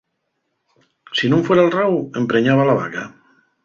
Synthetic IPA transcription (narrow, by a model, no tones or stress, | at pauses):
sinũɱfweɾalrawempɾeɲaβ̞alaβa̰ka